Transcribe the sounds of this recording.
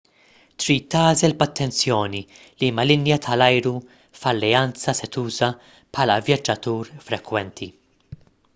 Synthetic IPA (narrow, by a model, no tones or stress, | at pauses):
t̪ɾiːt̪ːɐːzɛlbɐt̪ːɛnt͡sjɔːni | liːmɐlɪnjɐt̪ʰɐlɐjɾu | fɐlːɛɐnt͡sɐsɛt̪uːzɐ | pħɐːlɐvjɐd͡ʒːɐt̪uːɾfɾɛkwɛnt̪ʰi